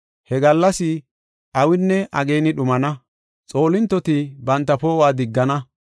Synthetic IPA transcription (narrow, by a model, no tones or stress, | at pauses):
hɛɡɐlːɐsɪ | ʔɐwɪnːɛʔɐɡe̞ːnɪɗʊmɐnɐ | t͡sʼo̞ːlɪnt̪ːɔt̪ɪbɐnt̪ːɐpoːwaːd̪ɪɡːɐnɐ